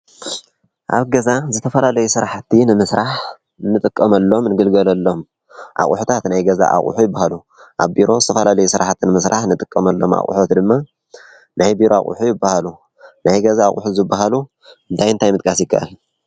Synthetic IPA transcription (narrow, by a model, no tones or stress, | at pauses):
ʔa̰βɡɐzazɨt̪ʰɐfɐlalɐjusɨɾaħt̪ʰːinɨmɨsɾaħ | nːɨt̪ʼɨkʼːɐmɐlːo̞mnɨɡɨlɡɐlɐlːo̞m | ʔa̰χʼʊ̰ħut̪ʰat̪najɡɐza̰ʔa̰χʼṵħujɪbːahalu | ʔa̰βbiɾo̞zɨt̪ʰɐfɐlalɐjusɨɾaħt̪ʰinɨmɨsɾʔaħnɨt̪ʼɨkʼːɐmɐlːo̞̰ma̰χʼṵħot̪d̪ɨmːa | najbiɾoa̰χʼṵħujɪbːahalu | najɡɐzaːχʼuħuzɨbːaɦalu | ɨnt̪ʰajnt̪ʰajmɨt̪ʼkʼasjɪkʰːa̰ʔalːu